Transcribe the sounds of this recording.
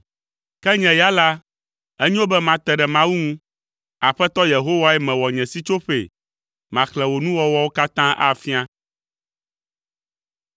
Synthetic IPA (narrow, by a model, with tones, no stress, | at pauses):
kɛ˦ɲɛ̃˨ja˦la˦ | ɛ˦ɲɛ̃˦wo˦bɛ˦mã˨t̪ɛ˨ɖɛ˨mã˦wu˦ŋũ˦ | a˨ɸɛ˦t̪ɔ˦je˨ɦo˦wa˦ɛ˦mɛ̃˨wɔ˨ɲɛ̃˨si˦t͡ʃo˦ɸḛ˨ | mã˨klɛ˨wo˨nũ˦wɔ˦wɔ˦wo˦ka˦t̪ã˦ʔa̰˦fi˦a˦